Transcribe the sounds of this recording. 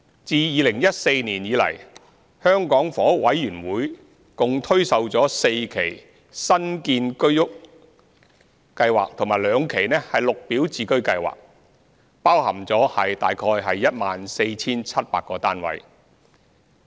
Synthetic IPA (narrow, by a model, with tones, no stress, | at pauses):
t͡siː˨˧jiː˨˧lɪ˨˩ŋjɐ˥t̚se˧jniː˨˩njiː˨˧lɐ̰˨˩j | hœː˥ŋkɔː˨˥ŋfɔː˨˥wɐ˨˥jːyː˨˩nwuː˨˥j | kʊ˨ŋt̪ʰɵ˥ɥsɐ˨wt͡sɔː˨˥se˧jkʰe˨˩j | sɐ˥nkiː˧nkɵ˥ɥjʊ˥k̚ | kɐ˧jwaː˨˩k̚t̪ʰʊ˨˩ŋmaː˨˩jlœː˨˧ŋkʰe˨˩jnɛː˥hɐ˨jlʊ˨k̚piː˨˥wt͡siː˨˧kɵ˥ɥkɐ˧jwa̰ː˨k̚ | paː˥whɐ˨˩mt͡sɔː˨˥hɐ˨jt̪a̰ː˨jkʰɔː˧jɦɐ˨jːɐ˥t̚maː˨nse˧jt͡sʰiː˥nt͡sʰɐ˥t̚paː˧kːɔː˧t̪aː˥nwɐ̰˨˥j